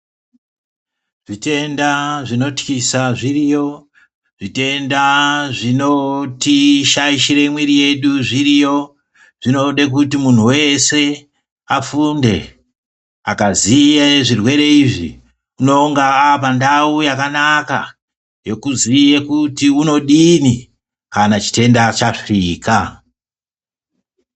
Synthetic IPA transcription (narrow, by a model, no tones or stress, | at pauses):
ʐ̥ite̞ndaʐino̞tkisaʐirijo̞ | ʐ̥ite̞ndaʐino̞tiʃaiʃiɾe̞imwiɾije̞ɗuʐiɾijo̞ | ʐ̥ino̞ɗek̬utimun̤uwe̞se̞ | afunde̞̰ | a̰kaziaʐirwe̞ɾe̞iʐḭ | uno̞ŋɡaːpandaujakanaka | je̞kuzijekutiuno̞ɗini | kanat͡ʃi̥te̞ndat͡ʃafriːka